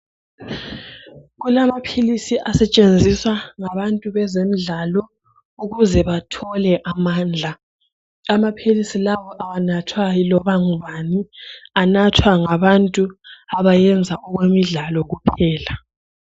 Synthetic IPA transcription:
ɣulamapʰilisiʔasɛt͡ʃʼend͡zʱiswaŋaβantʼuβɛzem̩ɮalɔ | uɣuzɛβatʰɔlɛʔamaːnd͡ɮʱa | amapʰilisilawɔʔawanatʰwajilɔβaŋuβanianatʰwaŋaβantʼuaβajɛnd͡zʱaʔɔɣwemiɮalɔɣupʰɛːla

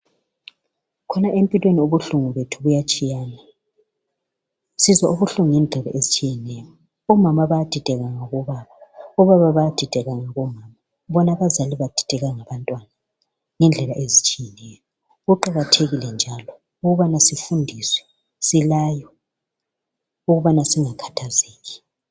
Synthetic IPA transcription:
kʰɔnaʔempʼilwenioβuɬuŋuβetʰuβujat͡ʃʼijaːna | sizwaʔuβuɬuŋuŋɛnd͡ɮʱɛla̰ʔezit͡ʃʼijɛnɛjɔ | ɔmamaβajad̥ʱid̥ʱɛɣaŋaɣɔβaβaɔβaβaβajad̥ʱid̥ʱɛɣaŋaɣɔmaːma | βɔnaβazaliβad̥ʱi̥d̥ʱɛɣaŋaβantʼwana | ŋɛnd͡ɮʱɛlaʔezit͡ʃʼijɛnɛjɔ | ɣuǃaɣatʰeɣilɛnd͡ʒʱalɔ | uɣuβanasifundʱiswɛ̥ | silaːjɔ | uɣuβanasiŋakʰḁtʰazeːɣi̥

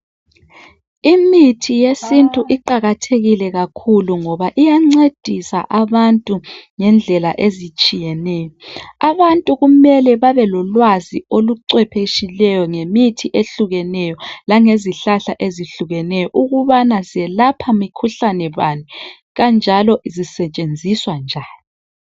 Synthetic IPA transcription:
imitʰijesintʼuʔiǃaɣatʰeɣilɛɣakʰuluŋɔβaʔijaŋ͡ǀed̥ʱisa̰ʔaβantʼuŋɛnd͡ɮʱɛlaʔezit͡ʃʼijɛnɛːjɔaβantʼuɣumɛlɛβaβɛlɔlwazioluǀwɛpʰeʃilɛjɔŋemitʰiʔeɬuɣɛnɛjɔlaŋeziɬaɬaʔeziɬuɣɛnɛjɔʔuɣuβanaziɛlapʰamikʰuɬanɛβani | ɣand͡ʒʱalɔizisɛt͡ʃʼend͡zʱiswand͡ʒʱaːni

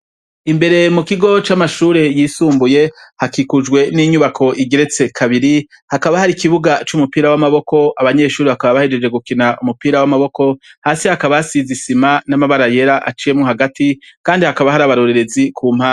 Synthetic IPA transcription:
imbe̞ɾe̞mukiɡo̞t͡ʃamaʃuːɾe̞jisuːmbuje̞hakikud͡ʒɡwe̞niɲuβakʰo̞ʔiɡe̞ɾe̞t͡se̞kʰaβiɾi | hakaβahaɾikiβuɡat͡ʃumupiːɾawamaβo̞ko̞aβaɲe̞ʃuːɾiβakaβaβahed͡ʒe̞d͡ʒe̞ɡukinaʔumupiːɾawamaβo̞ko̞haːsihakaβasizisimanamaβaɾaje̞ɾaʔa̰t͡ʃije̞mŋoɦaɡatikaːndihakaβaɦaɾaβaɾoɾeɾe̞zikʰuːmha

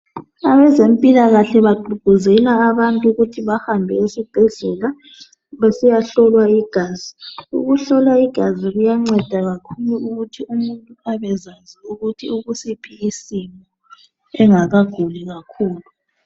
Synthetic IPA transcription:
aβɛzempʼilaɣaɬɛβaǃʱuɡ̥ʱuzɛlaːβantʼuɣutʰiβahambʱɛesiɡ͡ǃ̥ʱɛɮɛla | βesijaɬɔlwaiɡ̥ʱaːziṵɣuɬɔlwaiɡ̥ʱaziɣujaŋ͡ǀɛd̥ʱaɣakʰuluuɣutʰiumuntʼuaβɛzaziuɣutʰiuɣusipʰiːsimɔɔ | ɛŋaɣaɡ̥ʱuliɣakʰuːlu

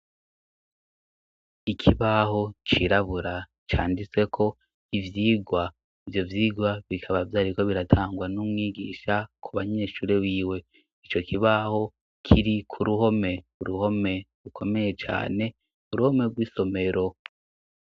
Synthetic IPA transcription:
ikʰiβaho̞t͡ʃiɾaβuɾa | t͡ʃa̰ːndit͡se̞kʰo̞ | ivjiːɡwa | ivjo̞vjiːɡwaβikʰaβavjaːɾiko̞βiɾatʰaːŋɡwanumŋiːɡiːʃakʰuβaɲe̞ːʃuːɾe̞wiːwe̞ | it͡ʃo̞kiβaho̞ | kʰiɾikʰuɾuho̞me̞uɾuho̞me̞ɾukʰo̞me̞je̞t͡ʃa̰ːne̞ | kuɾuho̞me̞ɡwiːso̞me̞ɾo̞

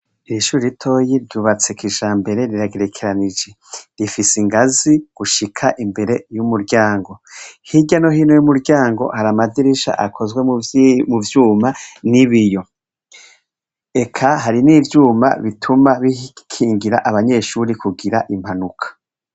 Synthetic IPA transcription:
iɾiʃuːɾiitʰo̞jiɾɟuːβat͡sekiʒaːmbe̞ɾe̞ɾiɾaɡe̞ɾe̞kʰeɾanid͡ʒe̞ | ɾifisiŋɡaziɡ̥uʃikʰaʔimbe̞ɾe̞jumuɾɟaːŋɡo̞hiɟanohiːnojumuɾɟaːŋɡo̞̰haɾamadiɾiʃa̰ʔakʰo̞zɡwe̞muvjuːmaniβijo̞ | e̞kʰaɦaɾiniːvjuːma̰βitʰumaβikʰiːŋɡiɾaʔaβaɲe̞ʃuɾikuɡiɾaʔim̥hanukʰḁ

